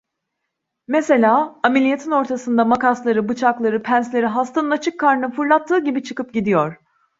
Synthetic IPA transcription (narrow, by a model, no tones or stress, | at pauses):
me̞se̞lʲaːamelʲijet̪ʰino̞ɾt̪ʰasɯnd̪amakaslˠaɾɯbɯt͡ʃʰaklˠaɾɯpʰænslʲe̞ɾiɦast̪ʰanɯnat͡ʃʰɯkʰːaɾnɯfɯɾlˠat̪ʰːɯːɟibit͡ʃʰɯkɯp̚ɟid̪ijoɾ̥